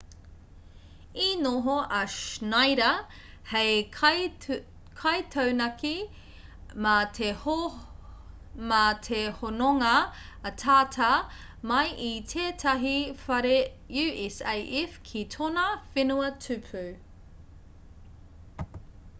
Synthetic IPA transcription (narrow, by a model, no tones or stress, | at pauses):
inoɦoɐʃnajɾɐ | hej | kʰɐjtʰɐwnɐki | mɐtʰe | mɐtʰehonoŋɐː | tʰaːtʰɐ | mɐjitʰeːtʰɐɦifɐɾe | jʉːʔɛsejʔɛfkʰitʰonɐfenuɐtʰʉpʰʉː